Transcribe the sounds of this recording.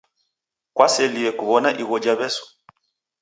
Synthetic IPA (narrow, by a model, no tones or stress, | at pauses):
kwasɛliɛkuβɔnaʔiɣɔd͡ʒaβɛsɔ̥